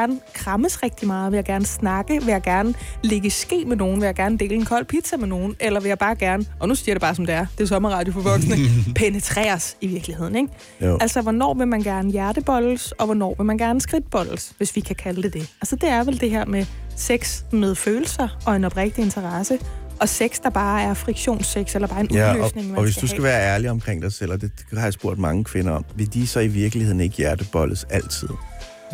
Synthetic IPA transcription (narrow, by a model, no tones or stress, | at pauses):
æɐnəkʰʁɑməsʁɛɡ̥̚d̥imɑ̈ːð̩ˠʋe̝jaɡ̥æɐnəsnɑ̈ɡ̥əʋe̝jäɡ̥æɐnəle̝ɡ̥əsɡ̥e̝̰ːmeno̝ːn̩ʋe̝jäɡæɐnəd̥e̝ːləenkʰɒ̽l̰pʰid̥sæmeno̝ːn̩elɐʋe̝jɑ̈b̥ɑ̈ːɡ̥æɐnəʔɒ̽nusiɐ̰ɾ̥eb̥ɑ̈ːsɒ̽md̥e̝æɐd̥e̝sɒ̽mɐʁɑ̈ːd̥jofɒʋɒ̽ɡ̥snəpʰenət͡sʰʁɛ̰ːɐsiʋiɐɡ̥lihe̝ð̞̰ˠn̩eɡ̥ | ælsɒʋɒnɒ̰ːʋe̝mænɡ̥æɐnəjæɐɾ̥əb̥ɒ̽l̰̩sɒ̽ʋɒnɒ̰ːʋe̝mænɡ̥æɐnəsɡ̥ʁid̥̚b̥ɒ̽l̰̩sʋe̝sʋikʰækʰæləd̥e̝d̥e̝ælsɒd̥e̝æɐʋeld̥e̝ɦeɐ̰meseɡ̥smeð̞ˠføːl̩sɐɒ̽e̝nɒ̽b̥ʁɛɡ̥̚d̥ie̝nt͡sʰɐʁɑsə | ʔɒ̽seɡ̥sd̥ɑ̈b̥ɑ̈ːæɐfʁiɡ̥ɕo̝̰ːnseɡ̥selɐb̥ɑ̈ːenʔulø̰sne̝ŋmæɒʋesd̥usɡ̥æʋæːɐæɐliɒ̽mkʰʁeŋ̰d̥ɑɪsel̰ɒd̥e̝hɑ̈jäsb̥o̝ɐ̰d̥mɑ̈ŋəkʰʋe̝nɐɒ̽mʋe̝d̥isɒ̽iʋiɐɡ̥lihe̝ð̞̰ˠn̩e̝ɡ̥əjæɐd̥əb̥ɒ̽ləsæl̰t͡sʰið̞̰ˠ